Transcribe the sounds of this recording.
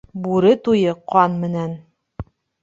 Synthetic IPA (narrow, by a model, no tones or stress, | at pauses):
buɾɘt̪ujɤqɑnmɘ̆næn